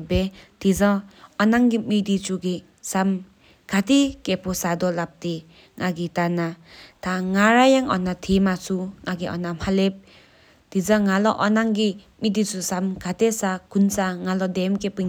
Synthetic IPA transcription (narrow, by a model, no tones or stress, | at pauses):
bet̪izaɔnaŋɡimidit͡suɡi | sam | kʰat̪ekepʰɔsad̪ɔlap̚t̪e | ŋaɡitanat̪ʰaŋaɾajaŋʔɔ̰nat̪ʰimat͡sʰuŋaɡiʔɔ̰namhalep̚ | t̪izaŋalɔʔɔnaŋɡi | midit͡susamkʰat̪esakʰunsaŋalɔd̪emkepɯ